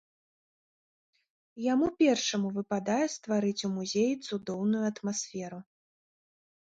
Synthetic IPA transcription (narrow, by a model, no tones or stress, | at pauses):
jamupʲɛrʂɐmuvɨpad̪ajɛst̪vaɾɨt͡sʲumuzʲejit̪sud̪ɔwnujuɐt̪masʲfʲɛɾu